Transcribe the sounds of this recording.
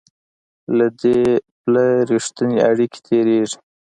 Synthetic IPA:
lad̪eplaɾiʂt̪əneaɽike̥t̪ʰeɾeʐ

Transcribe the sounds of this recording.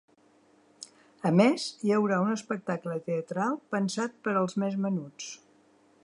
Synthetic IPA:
əmeziəwɾaunəspək̚t̪aklət̪eət̪ɾalˠpənsat̪̚pəɾəlˠzmezmənut͡s

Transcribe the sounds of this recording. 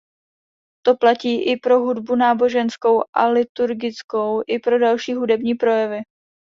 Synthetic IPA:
t̪o̞placiːʔɪpɾo̞ɦudbunaːbo̞ʒɛnsko̞wʔalɪt̪uɾɡɪt͡sko̞wʔɪpɾo̞dalʃiːɦudɛbɲiːpɾo̞jɛvɪ

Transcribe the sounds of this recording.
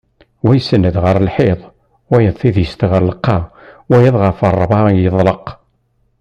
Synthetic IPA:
wæjəsːənːəd̪ʁəɾəlħeðˤ | wæjəðˤθiðjəst̪ʁəɾləqːɑwæjɑðˤʁəfərˤːbˤɑjəðˤləq

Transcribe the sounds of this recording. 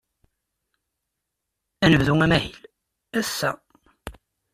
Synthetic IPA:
ænəvðuŋæmæhil | æsːæ

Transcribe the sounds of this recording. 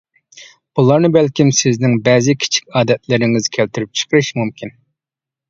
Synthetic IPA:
b̥ulˠɑɾnɨbɛlkʲimsɪznɪŋbɛzɪkʲʰi̥t͡ʃʰi̥kʲɑːd̪ɛt̪ʰlɪɾɪŋɪzkʲʰælt̪yɾyp̚t͡ʃʰə̥qʰəɾɨʃmumkʲʰin

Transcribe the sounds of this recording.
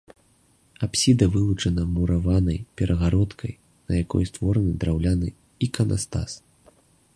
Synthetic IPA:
apsʲid̪ɐvɨlˠut͡ʂɐnɐmuɾavanɐjpʲɛɾʔɐɣaɾɔt̪kʰɐj | nɐjakɔ̰jst̪vɔɾɐnɨd̪ɾawlʲanɨ̰ | ikɐnʔa̰st̪a̰s

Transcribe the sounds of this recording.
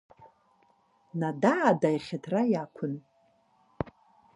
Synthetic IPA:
nadaːdajχʲatʰrajakʷʰʊn

